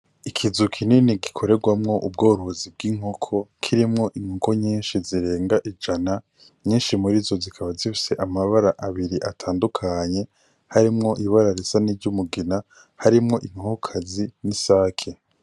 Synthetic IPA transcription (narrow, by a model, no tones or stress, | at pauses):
ikʰizukʰininiɡikʰo̞ɾe̞ɡwamŋo̞ʔub̚ɡoːɾoozib̚ɡiŋ̥okʰo̞kʰiɾimŋo̞ʔiŋ̥hoko̞ɲiːnʃiziɾe̞ːŋɡaʔid͡ʒana | ɲiːnʃimuɾizo̞zikʰaβazifi̥se̞ʔamaβaɾaʔaβiɾiʔatʰaːndukʰaɲe̞ | haɾimŋo̞ʔiβaɾaɾesanivɟumuɡina | haɾimŋo̞ʔiŋ̥ohkʰazinisaːkʰe